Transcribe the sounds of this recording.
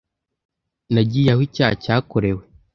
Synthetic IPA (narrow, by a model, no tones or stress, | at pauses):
naɟiːjahwicaːacaːkoɾewe